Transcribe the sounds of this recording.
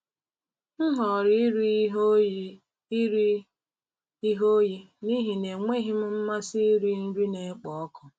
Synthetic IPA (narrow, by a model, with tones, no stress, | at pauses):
ŋ̩˦ɦɔ˨ɾɪ˦ɾ | ɾ | i˦ɦo˦ji˦ | ni˦ɦi˨ne˨ŋʷe˦ɦi˦m̩˦m̩˦ma˦si˦i˦ɾi˦n̩˦ɾi˦ne˨˦k͡pɔ˨ɔ˦kɔ˨